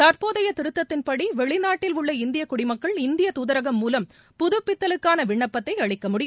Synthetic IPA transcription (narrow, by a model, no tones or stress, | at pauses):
t̪ɐɾpoːðɐjɐt̪ɪɾɯt̪ːɐt̪ːɪnpɐɽiʋɛɭɪnaːʈːɪlʊɭːɐɪnd̪ɪjɐkʊɽɪmɐkːɐɭɪnd̪ɪjɐt̪uːðɐɾɐɣɐmːuːlɐm | pʊðʊpːɪt̪ːɐlɯkːaːnɐʋɪɳːɐpːɐt̪ːɐɪɐɻɪkːɐmʊɽɪj